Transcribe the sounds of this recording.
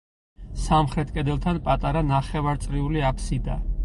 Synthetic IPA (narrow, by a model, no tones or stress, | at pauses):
samχɾɛt̪ʰʼkʼɛd̪ɛlˠt̪ʰanpʼat̪ʼaɾanaχɛvaɾt̪sʼɾiuliapʰsid̪a